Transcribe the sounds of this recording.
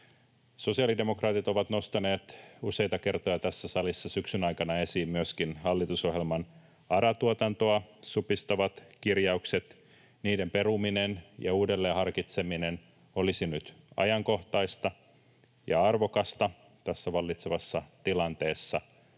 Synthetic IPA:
so̞siɑlide̞mokrɑːt̪it̪o̞ʋɑt̪no̞st̪ɑne̞ːt̪usejt̪ɑke̞rt̪o̞jɑt̪æsːæsɑlisːɑsyksynɑjkɑnɑe̞siːmmyøskinhɑlːit̪uso̞ɦjelmɑn | ɑɾɑt̪uot̪ɑnt̪oɑsupist̪ɑʋɑt̪kirjɑukse̞t̪ | niːdempe̞ruminenjɑ̰uːdelːeːhɑrkit̪se̞minen | o̞lisinyt̪ɑ̰jɑŋko̞ht̪ɑist̪ɑ | jɑ̰ɑrʋokɑst̪ɑ | t̪æsːæʋɑlːit̪seʋɑsːɑt̪ilɑnt̪e̞ːsːɑ

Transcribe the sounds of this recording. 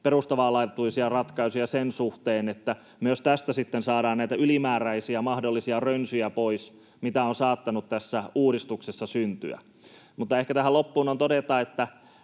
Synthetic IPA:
perust̪ɑʋɑːlɑit̪t̪ːuisiɑrɑt̪kɑisujɑsensuht̪eːnet̪ːæ | myøst̪æst̪æsit̪ːensɑːɾɑːnnæijt̪æylimæːræisiæmɑhdolːisiɑrønsyjæpois | mit̪æonsɑːt̪ːɑnut̪t̪æsːæuːɾist̪uksesːɑsynt̪y̰æ̰ | mut̪ːɑehkæt̪æɦælopːuːnont̪odet̪ɑet̪ːæ

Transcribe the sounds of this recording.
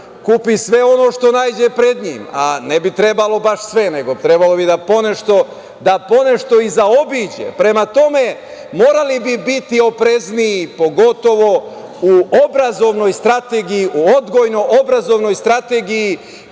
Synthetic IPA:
kupisʋeo̞no̞ʃt̪o̞naːjd͡ʑe̞pɾe̞d̪ɲiːma̰nebit̪ɾe̞balo̞baʃsʋe̞ne̞ɡot̪ɾebalo̞bid̪apo̞neʃt̪o̞ | d̪apo̞ne̞ʃt̪o̞izao̞biːd͡ʑḛpɾe̞mat̪o̞me̞ | mo̞ːɾalibibit̪io̞pɾe̞zniipo̞ɡo̞t̪o̞ʋo̞ | uobɾazo̞ʋno̞jst̪ɾat̪eɡijiʔuo̞d̪ɡo̞jno̞ʔobɾazo̞ʋno̞jst̪ɾat̪eɡiji

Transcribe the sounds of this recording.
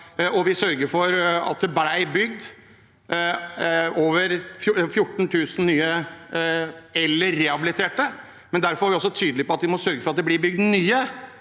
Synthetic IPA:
ɔʋɪsœɾɡəɾfɔɾɑ̰t̪̚d̪ɛbæɪbʏɡd̪ | oːʋəɾfjfjʊʈːɳ̩t̪ʰʉːsn̩nyːə | ɛlːəɾːɛhɑbɪlɪt̪ʰeːʈə | mɛnd̪æɾfɔɾæɾʋɪɔsːɔt̪ʰyːd̪əlɪpɔɑt̪ʋɪmɔsœɾɡəfɔɾɑt̪̚d̪ɛblɪɾbʏɡ̚d̪nyːə

